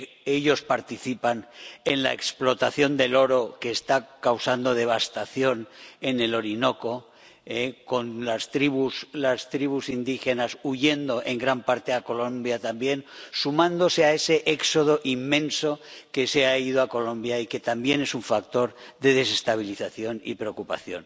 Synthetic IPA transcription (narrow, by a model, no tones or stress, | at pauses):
eʎo̞spaɾt̪iθipane̞nla̰e̞ksplo̞t̪aθjo̞nd̪e̞lo̞ɾo̞keːst̪akawsand̪o̞ðe̞β̞ast̪aθjo̞ne̞ne̞lo̞ɾino̞ko̞ | eko̞nlast̪ɾiβuslast̪ɾiβusind̪ixe̞nasuʝe̞nd̪o̞ʔe̞ŋɡɾampaɾt̪e̞ako̞lõ̞mbjat̪ambje̞nsumãnd̪o̞se̞ae̞se̞ʔekso̞ð̞o̞ʔimːẽ̞nso̞ke̞seaiðoako̞lõ̞mbjaike̞t̪ambje̞ne̞suɱfak̚t̪o̞ɾðe̞ðe̞se̞st̪aβ̞iliθaθjo̞nḭpɾeokupa̰θjo̞̰n